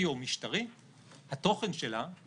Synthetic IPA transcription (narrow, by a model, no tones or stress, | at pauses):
io̞miʃtaʁi | hat̪o̞χenʃe̞la